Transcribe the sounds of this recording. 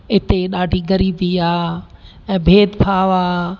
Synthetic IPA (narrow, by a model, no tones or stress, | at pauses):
ɪt̪eɗaːɖʱiːɡɐɾiːbiaː | ɛ̃ːbʱeːd̪pʰaːʋaː